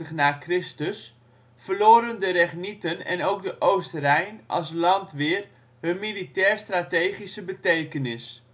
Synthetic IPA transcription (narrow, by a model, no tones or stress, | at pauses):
əχnaːkrɪstəs | fərloːɾəndəɾɛχnitənɛ̰nowk̚dəʔowstərɛjnʔɑ̰lˠslɑntʋɪːr | ɦənmilitɛːrstratejχisəbətejkənɪs